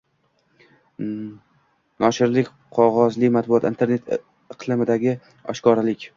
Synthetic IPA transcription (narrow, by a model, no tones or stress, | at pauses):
nɒʃɪɾlɪkʲ | qʰɒʁɒzlɪmat̪̚bʊɒt̪ɪnt̪ʰe̞ɾne̞t̪ʰ | ɪqʰlˠɪmɪd̪aɡʲɪ | ɒ̰ʃkɒɾalɪkʲ